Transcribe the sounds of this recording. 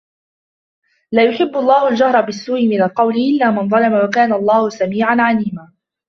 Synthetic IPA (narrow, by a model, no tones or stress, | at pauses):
laːjʊħɪbːʊlˤːɑːhʊld͡ʒahɾˤɑbɪsːuːʔɪmɪnalqɑwlɪʔɪlːaːmɪnðˤɑlɑmawakaːnaɑlˤːɑːhʊsamiːʕanʕaliːmaː